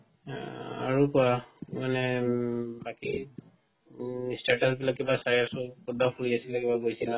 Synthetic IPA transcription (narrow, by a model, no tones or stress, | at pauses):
a̰ɹukʊamanɛ | baki | staɹtasbilakːibasaɹiasʊkudapʰuliasilɛkibaɡojsila